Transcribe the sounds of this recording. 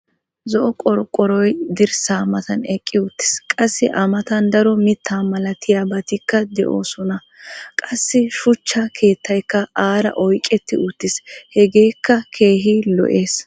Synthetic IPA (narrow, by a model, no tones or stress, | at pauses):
zɔʔɔkʼɔɾkʼːɔɾɔjd̪ɪɾsaːmɐt̪ɐnɛkʼːɪʊt̪ːɪ̥skʼɐsːɪʔɐmɐt̪ɐnd̪ɐɾɔmɪt̪ʰːaːmɐlɐt̪ʰɪjaːbɐt̪ɪkːɐd̪ɛʔo̰ːsɔnɐ | kʼɐsːɪʃʊt͡ʃːɐkʰe̞ːt̪ːɐjkːɐaːɾɐ̰ʔɔjkʼːɛt̪ːɪ̰ʔʊt̪ːɪshɛɡe̞ːkːɐkʰe̞ːɦilɔ̰ʔe̞ːs